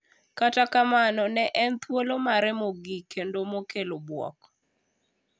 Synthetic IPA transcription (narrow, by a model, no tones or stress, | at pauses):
katakamanɔnɛʔɛnt̪wolomaɾɛmoɡikendomokelobwɔ̰k̚